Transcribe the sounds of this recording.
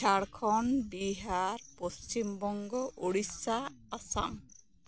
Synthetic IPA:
aɽkʰɔnbiɦaɾpost͡ʃimbɔŋɡɔʔoɽisaːsa̰m

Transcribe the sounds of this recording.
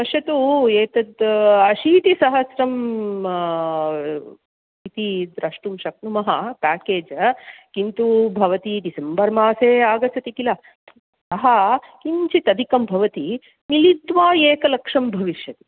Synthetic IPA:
pɐʃjɐt̪ueːt̪ɐd̪ɐʃiːt̪isɐɦɐsɾɐm | it̪id̪ɾɐʂʈumʃɐk̚numɐɦɐpaːkeːd͡ʒkint̪ubʱɐʋɐt̪iɖisembɐɾmaːseːaːɡɐt͡ʃɐt̪ikilɐ | sɐɦɐkiɲt͡ʃit̪ɐd̪ʱikɐmbʱɐʋɐt̪i | milid̪ʋaːjeːkɐlɐkʂɐmbʱɐʋiʃjɐt̪i̥

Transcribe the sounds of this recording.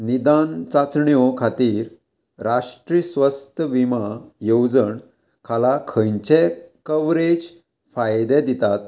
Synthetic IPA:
nid̪ant͡sat͡sɳjɔkʰat̪iːɾ | ɾaʂʈɾisʋəst̪əʋimajowd͡zəɳ | kʰalakʰəjɲt͡ɕekəʋɾed͡ʑ | fajd̪ɛd̪it̪at̪

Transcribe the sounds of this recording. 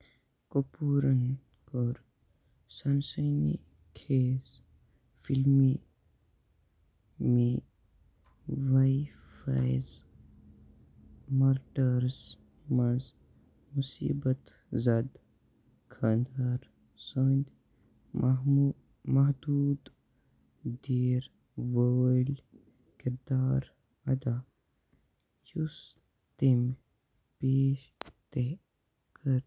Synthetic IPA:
kopuːɾən | koɾ | sɐnsəjnḭ | kʰeːz | fʰilmi | me | ʋaj | fa̰jz | mɐɾʈəɾs | mɐz | musḭːbət̪ | zɐd̪ | kʰand̪aɾ | sənd̪ʲ | mɐɦd̪uːd̪ | d̪iːɾ | ʋəlʲ | kiɾd̪aːɾ | ɐd̪aː | jus | t̪em | peːʃt̪e | kʰəɾ

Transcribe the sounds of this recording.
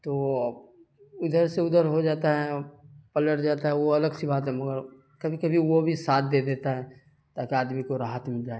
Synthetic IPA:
t̪oː | ʊd̪əɾseʊd̪əɾɦod͡ʒaːt̪aɦɛpɐləɽd͡ʒaːt̪aɦɛʋoɐləɡsibaːt̪ɦɛ̃mɐɡəɾ | kɐbʱikɐbʱiʋobʱisaːt̪̚ʰd̪eːd̪eːt̪aɦɛ | t̪aːkiaːd̪mikoɾaːɦət̪mɪld͡ʒaːe

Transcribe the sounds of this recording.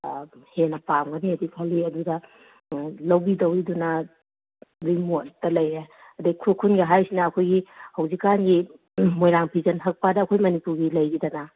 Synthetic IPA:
henɐpamɡɐniɐdikʰɐliɐdudɐ | lɐwbidɐwɾidunɐ | ɾimot̚dɐlɐje | ɐduɡikʰukʰunɡɐɦajsinɐːkʰojɡihɐwzikːanɡi | mojɾaŋpʰizɐnɦɐk̚padɐːkʰojmɐnipuɾɡilɐjɾidɐnɐ

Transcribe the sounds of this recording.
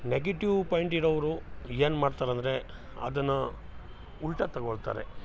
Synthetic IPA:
neɡeʈiʋpɐːjɳʈiɾɔʋɐɾueːnmaːɽt̪aːɾɐnd̪ɐɾe̞ | ɐ̰d̪ɐnːɐ | uɭʈɐt̪ɐɡoɭt̪a̰ːɾḛ

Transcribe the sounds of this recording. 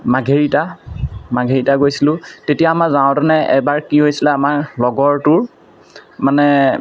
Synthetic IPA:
maɡʱeɹitamaɡʱeɹitaɡojsilʊ̃tetijaːmakzaʊ̃tɛnɛɛ̰baɹkiɦojsilɛamaklɔɡɔɹtʊɹ | manɛ

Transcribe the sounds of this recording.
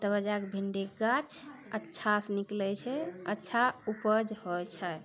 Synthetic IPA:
t̪əβəd͡ʒakbʱiɳɖeɡat͡ʃʰətːʃʰasniklɛt͡ʃʰɛətːʃʰaupəd͡ʒhɔjt͡ʃʰə

